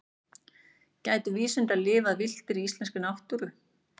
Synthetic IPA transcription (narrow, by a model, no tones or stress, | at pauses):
caːjt̪ʏviːsʏnt̪alɪːvaðvɪl̥t̪ɪɾiist̪lɛnscʏnawht̪uɾʏ